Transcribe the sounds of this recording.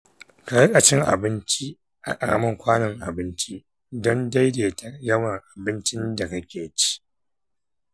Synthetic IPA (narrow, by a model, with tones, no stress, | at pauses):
kɐ˨ɐ˦kʼɐ˨t͡ʃɪ˦ŋʔa̰˨bɪ˦nt͡ʃi˦ | ʔa̰˨kʼɐ̰˨ɽɐ̰˦mɐ˦ŋkʷaː˦nɐ˨ŋʔa̰˨bɪ˦nt͡ʃi˦ | dɔ˦nda˦jdeː˨ta˨˦jɐ˦wɐ˨ŋʔa˨bɪ˦nt͡ʃɪ˦nda˨kɐ˦kʲeː˨t͡ʃi̥˦